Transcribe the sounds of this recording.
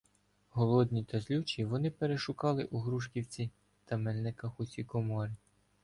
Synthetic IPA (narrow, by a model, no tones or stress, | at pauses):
ɦɔlˠɔd̪ʲnʲit̪ɐzlʲut͡ʃiʋɔnɪpeɾeʃʊkɑlˠɪʔuɦɾuʃkʲiwt͡sʲi | t̪ɐmɛlʲnɪkɐxʊsʲikɔmɔɾʲi